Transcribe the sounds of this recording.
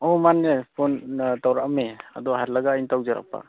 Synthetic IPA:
ɔmanːepʰɔntawɾaʔmea̰dɔɦaɾlaɡajntawzaɾa̰k̚pa̰

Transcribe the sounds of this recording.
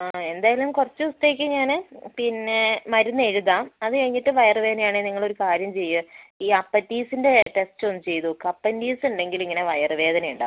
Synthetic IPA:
ae̞nd̪aːjɐlumkurɐt͡ɕːɨust̪ɐikʲːɨɲaːnɨpinːe̞mɐɾunːe̞ɻuðaːmɐðɨkɐɻiŋːiʈːɨʋɐjɐrʋe̞ːd̪nɐjaːɳeniŋːɐɭo̞ɾukaːɾjɐmt͡ɕe̞jːɨiːɐpːɐtːiːsinde̞ʈe̞stonːɨt͡ɕe̞jt̪ukɐpːɐndiːsuɳɖe̞ŋɡiliŋːɐne̞ʋɐjɐrʋe̞ːd̪ɐnɐjuɳɖa̰

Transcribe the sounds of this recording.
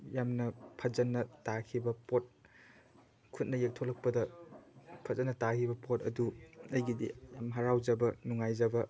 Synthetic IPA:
jamnɐpʰɐzɐnːɐtakʰibɐpot̚ | kʰut̚nɐjek̚tʰolɐk̚pɐdɐ | pʰɐzɐnːɐtakʰibɐpotɐ̰duɐjɡidḭjamɦɐɾawd͡ʒɐbɐnuŋajzɐbɐ

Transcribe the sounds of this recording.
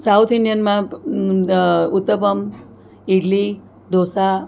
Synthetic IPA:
sawt̪ʰinɖjənmã | ut̪ːəpəm | iɽli | d̪ʱosa

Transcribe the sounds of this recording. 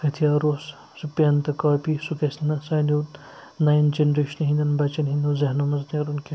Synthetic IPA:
hʰɐt̪ʰijaːɾos | supjant̪ɐkɐːpisukesnɐsɐːjno | najnd͡ʒenɾeːʃɐnɦĩnd̪ɐnbɐt͡ʃɐnɦind̪uzɐɦnɐmɐzneɾunkʰe

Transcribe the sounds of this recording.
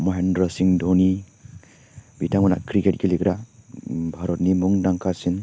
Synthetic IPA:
mɔɦendɾɔsiŋdʱoni | bʱitʰaŋmana̰kɾiket̚ɡilikɾa | bʱaɾɔt̚nimuŋnaŋkʰasin

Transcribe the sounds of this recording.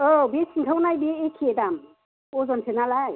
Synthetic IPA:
ɔbesiŋkʰawnajbeːkʰedam | ɔzɔnsʰenalaj

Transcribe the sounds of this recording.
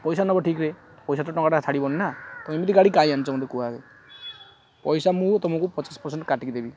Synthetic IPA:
pɔjsanɔbɔʈʰikɾe | pɔjsat̪ɔʈɔŋkaʈat͡ʃʰaɽibɔninat̪ɔmimit̪iɡaɽikaj̃anut͡ʃʰɔũd̪ekuaɾe | pɔjsamũt̪ɔmɔ̃kupɔt͡ʃaspɔɾseɳʈkaʈikid̪ebi

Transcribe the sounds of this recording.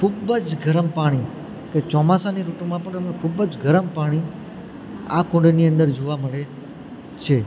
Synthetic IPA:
kʰubəd͡ʒɡʱəɾəmpaɽ̃i | ket͡ʃɔmasaniɾuʈumãpəɳəmnekʰubəd͡ʒɡʱəɾəmpaɽ̃i | akõɳɖniə̃nd̪əɾd͡ʒoʋaməɭe | t͡ʃʰe

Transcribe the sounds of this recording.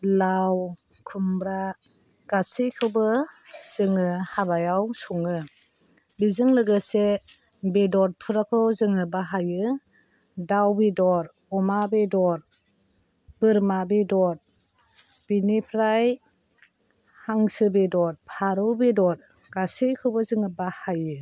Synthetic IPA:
law | kʰumbɾa | ɡ̥asikʰɯbɯz̥ɯŋɯhabajawsuŋɯ | bizɯŋlɯɡɯse | bedɔɾ̚pʰɯɾakʰɔwzɯŋɯbaɦajɯ | dawbidɔɾ | ɔmabedɔɾ | b̥ɯɾmabedɔɾ̚ | b̥inipʰɾaj | haŋsɯbedɔɾ̚pʰaɾɯbedɔɾ̚ | ɡ̥asejkʰɯwbɯzɯŋɯbahajɯ

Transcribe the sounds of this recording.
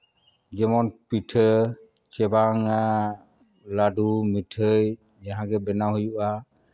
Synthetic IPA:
d͡ʒɛmɔnpitʰə | t͡ʃɛbaŋa | laɖumitʰəj | jaɦãɡɛbɛnaɦujuʔa

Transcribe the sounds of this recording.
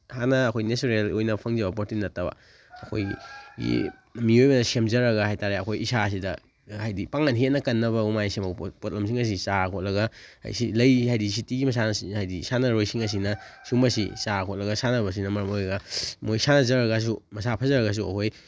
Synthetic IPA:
hanɐːkʰojnesuɾelojnɐpʰɐŋzɐbɐpotinɐtːɐbɐ̰ | ɐkʰo̰jɡḭ | miojbɐdɐsemzɐɾɐɡɐɦajtaɾeɐkʰojisas̬idɐ | hajdipaŋanɦet̚nɐkɐnːɐβɐumajsemɐpot̚lɐms̬iŋɐs̬isakʰot̚lɐɡɐha̰silɐjhajdis̬itiɡimɐs̬anɐihajdisanɐɾojsiŋɐs̬inɐsumɐsḭsakʰɔt̚lɐɡɐsanɐbɐs̬inɐmɐɾɐmojɡɐmojsanɐzɐɾɐɡɐs̬umɐsapʰɐzɐɾɐɣas̬uɐ̰kʰoj

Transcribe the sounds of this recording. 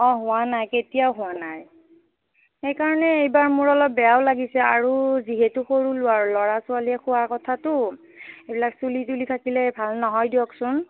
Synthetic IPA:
ɔ̃ɦʊwanajketijaʊɦʊwanaj | xejkaɹɔnɛejbaɹmuɹɔlɔp̚bːɛjaʊlaɡisɛa̰ɹuziɦɛtʊxoɹulʊwaɹlɔɹasʊaliɛxʰʊwaɹkɔtʰatʊ | ebilaksulitulitʰakilɛbʱalnɔɦɔjdijɔksʊn

